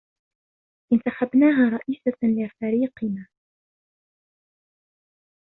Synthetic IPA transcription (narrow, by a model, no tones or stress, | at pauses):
ʔɪnt̪aħabnaːɦaːɾˤɑʔiːsalɪfaɾiːqɪnaː